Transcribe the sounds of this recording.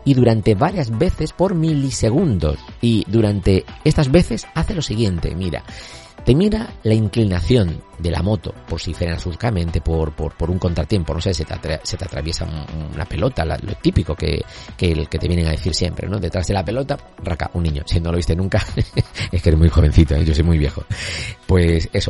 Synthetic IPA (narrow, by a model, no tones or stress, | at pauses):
iðuɾant̪e̞βaɾjazβe̞θe̞spo̞ɾmilise̞ɣ̞und̪o̞̰siðuɾant̪e̞e̞st̪azβe̞θe̞saθe̞lo̞siɣ̞je̞nt̪e̞̰miɾa̰ | t̪e̞miɾalaiŋklinaθjo̞nd̪e̞la̰mo̞t̪o̞̰poɾsifeɾenasuθkamẽ̞nt̪e̞po̞ɾpoɾpo̞ɾuŋko̞nt̪ɾat̪je̞mpo̞no̞ses̬et̪a̰t̪ɾase̞t̪eat̪ɾa̰βjesa̰ununa̰pe̞lo̞t̪ala̰lo̞̰t̪ipiko̞kḛkelke̞t̪eβjeneŋaðe̞θiɾsje̞mpɾḛno̞ðe̞t̪ɾazðe̞lape̞lo̞t̪a | raka̰ʔunːĩɲo̞̰sino̞loist̪enũŋkaeskeɾemujxo̞β̞e̞n̟θit̪oeʝo̞sojmujβ̞je̞xo̞pwe̞se̞so